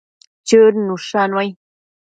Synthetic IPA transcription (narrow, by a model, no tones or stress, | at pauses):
t͡ʃɨɾnũʂanwaj